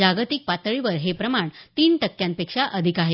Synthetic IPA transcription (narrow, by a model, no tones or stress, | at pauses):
aɡt̪ik̚pat̪ɭiʋəɾɦepɾəmaɳt̪iːnʈəkːjãnpekʂaʔəd̪ʱikaɦe